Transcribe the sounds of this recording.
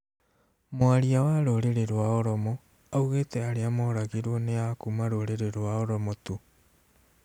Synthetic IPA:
moaɾiawaɾoɾeɾeɾwaoɾɔmo | auɣetɛaɾeamɔɾaɣiɾwɔneakumaɾoɾeɾeɾwaoɾɔmotu

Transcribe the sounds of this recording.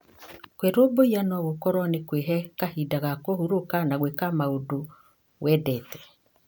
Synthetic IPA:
kweɾoboianwɔβokɔɾwɔnekweɦɛkahidaɣakohuɾokanaɣwekamaodo | wʔɛdɛtɛ̥

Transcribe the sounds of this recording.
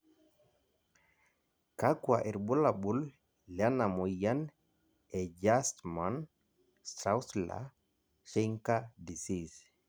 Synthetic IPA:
kakwaʔiɾbulabulː | janamujan | ɛd͡ʒastman | st̪ɾawsla̰ | ʃiŋkadisis

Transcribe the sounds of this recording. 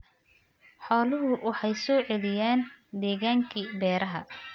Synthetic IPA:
ħɔːlʊɦʊwɑħɑjsɔːʕɛlɪjaːnd̪ɛːɣaːŋkʰiːbɛːɾʔɐɦɐ̰

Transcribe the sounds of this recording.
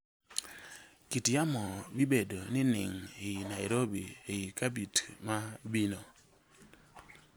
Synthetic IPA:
kitjamɔbibedonɪnɪ̰ŋinaɪɾobḭeikabitmabino

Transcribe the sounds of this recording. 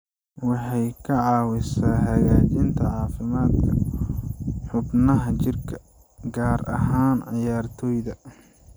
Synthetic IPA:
wɑħɑjkʰɐʕɑːwɪsaːɦɐɣaːt͡ʃɪnt̪ʰɐʕɑːfɪmaːd̪kʰɐ | ħʊbnɐɦɐt͡ʃɪrkʰɐ | ɡaːɾɐ̰ɦaːnʕɪjaːrt̪ʰɔːjðɐ

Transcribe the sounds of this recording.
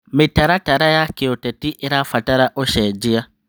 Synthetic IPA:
mitaɾataɾajakeotetiʔeɾafataɾaʔoʃed͡ʒia

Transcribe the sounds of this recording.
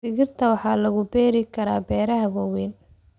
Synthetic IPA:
ɪɣɪrt̪ʰɐwɑħɑːlɐɣʊbɛːɾɪkʰɐɾaːbɛːɾɐɦɐwɐwɛːn

